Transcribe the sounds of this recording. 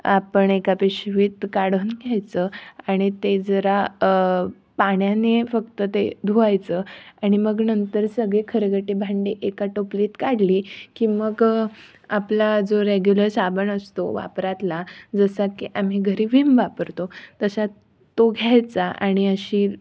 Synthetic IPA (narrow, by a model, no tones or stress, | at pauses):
apəɳekapeɕʋiːt̪kaɽ̤onɡʱjajt͡səaɽ̃it̪ed͡zəɾa | paɽjanefəkt̪ət̪ed̪ʱuajt͡səaɽ̃iməɡnənt̪əɾsəɡɭekʰəɾəɡəʈebʱaɳɖeʔekaʈopliːt̪kaɽliːkiːməɡ | aplad͡zoɾeɡjuləɾsabəɳəst̪oʋa̰pɾat̪lad͡zəsakiʔam̤iɡʱəɾiːʋimʋapəɾt̪ot̪əsa | t̪ːoɡʱjajt͡saʔa̰ɽ̃iəɕiː